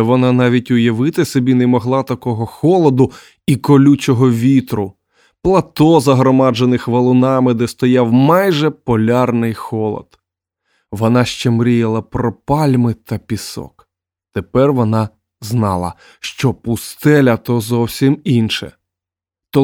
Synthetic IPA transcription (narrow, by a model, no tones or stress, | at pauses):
ʋɔnɑnɑʋʲitʲʊjɐʋɪt̪ɪsɔbʲinɛmɔɦlˠɑt̪ɐkɔɦɔxɔlˠɔd̪ʊ | ikɔlʲut͡ʃɔɦɔʋʲit̪ɾʊ | plˠɐt̪ɔzɐɦɾɔmɑd͡ʒenɪxʋɐlˠʊnɑmɪd̪ɛst̪ɔjɑwmɑjʒɛpɔlʲɑrnɪjxɔlˠɔ̰d̪ | ʋɔnɑʃt͡ʃɛmɾʲijɐlˠɐpɾɔpɑlʲmɪt̪ɐpʲisɔ̰k | t̪epɛrʋɔnɑ | znɑ̰lˠɐ̰ | ʃt͡ʃɔpʊst̪ɛlʲɐt̪ɔzɔwsʲiminʃɛ̰ | t̪ɔ